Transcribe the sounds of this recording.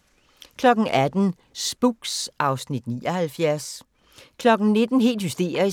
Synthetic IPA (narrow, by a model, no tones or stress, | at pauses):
kʰlɒ̽ɡ̥n̩ʔæd̥n̩ | sb̥uɡ̥sʔɑ̈ʊsnid̥niːɒhælfjæɐs | kʰlɒ̽ɡ̥n̩ne̝d̥n̩ɦe̝̰ːld̥husd̥e̝̰ːɐi